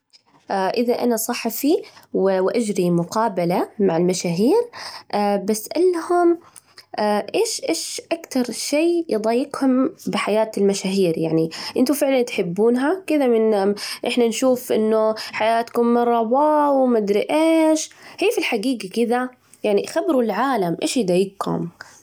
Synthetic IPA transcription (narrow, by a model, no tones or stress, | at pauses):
ʔaʔɪðaʔa̰nasˤɑħːɑfiwwʔad͡ʒɾimʊqɑːbalamaʕalmaʃaːɦiːɾʔaːbasːʔalːhʊm | aʔeːʃʔeːʃʔakt̪ɑɾˤʃeːjɨd̪ˤɑːjːɪɡhʊmbɪħajaːt̪lmaʃaːɦiːɾjaʕniʔɪnt̪ʊfɪʕlant̪ħɪbːuːnɦakɪd̪amɪnʔɪħnanʃuːfʔɪ̰nːʊħajaːt̪kʊmːɑrˤːɑbɑːwmad̪ɾiʔeːʃhiːfilħaɡiːɡakɪða | jaʕnixabɾulʕaːlamʔeːʃjd̪ˤɑjːɪɡhʊ̰m